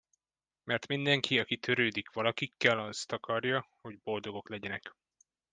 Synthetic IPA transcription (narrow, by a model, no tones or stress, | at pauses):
mɛrt̪mind̪ɛŋkʰiɒkit̪ʰøɾøːd̪ikʋɒlɒkikːɛlɒst̪ɒkɒrjɒho̞ɟbo̞ld̪o̞ɡo̞klɛɟɛnɛk